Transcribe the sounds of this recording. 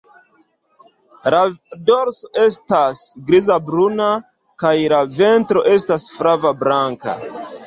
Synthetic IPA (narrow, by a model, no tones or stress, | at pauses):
lado̞ɾsoʔe̞s̬tasɡɾizabɾuna | kajlave̞ntɾo̞ʔe̞stasfɾavabɾaŋka̰